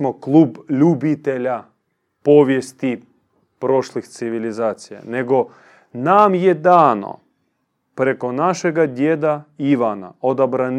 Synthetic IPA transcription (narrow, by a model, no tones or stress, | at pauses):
moklˠuːbʎubit̪eʎa | po̞ʋjest̪i | pɾo̞ʃlixt̪siʋilizaːt̪sija̰ne̞ɡo̞ | namje̞d̪aːno̰ | pɾe̞ko̞naʃeɡad̪jed̪aiʋana̰o̞d̪abɾan